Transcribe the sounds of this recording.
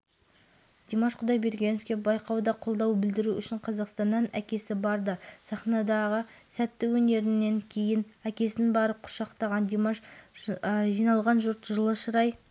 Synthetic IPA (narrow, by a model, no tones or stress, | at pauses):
d̪̥emɑʃqʰʊd̪ɑjbe̞ɾɡʲe̞nofkʲe̞bɑjqɑwd̪ɑqʰo̞lˠd̪ɑwbɪld̪ɪɾuʔʏʃɪɴqʰɑzɑqst̪ɑnːɑnæ̰kʲe̞sɪbɑɾd̪əsɑχnɑd̪ɑʁəsæt̪ːɪwɵne̞ɾɪnːe̞ŋkʲʰe̞jɪnækʲe̞sɪnbɑɾəp̚qʰʊ̥ʃɑqt̪ɑʁɑnd̪emɑʃ | ʒijnɑlˠʁɑnʒʊɾt̪ʒəlˠəʃəɾɑj